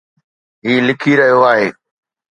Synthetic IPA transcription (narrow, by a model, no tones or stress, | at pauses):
ɦiːlɪkʰiɾɐɦijoaːɦeː